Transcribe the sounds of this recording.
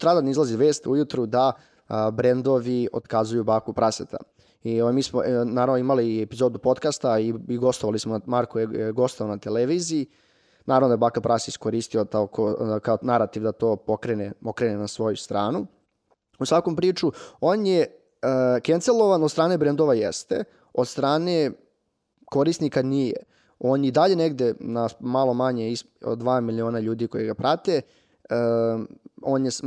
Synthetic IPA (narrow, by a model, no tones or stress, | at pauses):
t̪ɾad̪anizlˠaziʋeːst̪ujut̪ɾud̪a | bɾend̪o̞ʋio̰d̪̥kazujubaːkupɾaset̪ʰa̰ | iomiːsmo̰naːɾavnoimaliepizod̪upo̞t̪kast̪aiiɡo̞st̪oʋalismoamaɾkojeɡo̞st̪aonat̪eleʋiːziː | naːɾavnod̪aebaːkapɾʔaseiskoɾist̪iot̪aokʰokaonaɾat̪iʋd̪at̪oːpokɾenepokɾenenasʋo̞just̪ɾaːnu | usʋakompɾiːt͡ʂuoːnje | kent̪selˠo̞ʋanod̪t̪st̪ɾaːnebɾend̪oʋajḛst̪ḛ | od̪st̪ɾaːne | ko̞ɾisnikanijḛ | o̞ːnid̪aʎe̞neɡd̪enamalˠo̞maɲeis | o̰d̪ʋaːmilioːnaʎuːd̪ikojeɡapɾat̪e | oːnje